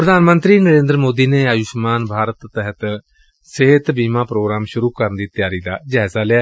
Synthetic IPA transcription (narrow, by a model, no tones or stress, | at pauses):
pɾəd̪ʱaːnmə̃nt̪ɾiːnəɾẽːnd̪ɾmoːd̪iːneːajʊʃmaːnbʱaːɾət̪ːɛɦət̪ | seɦɪt̪biːmãːpɾoːɡɾaːmʃʊɾuːkəɾənd̪iːt̪ɪjaːɾiːd̪a̰ːd͡ʒaːzaːlɪaː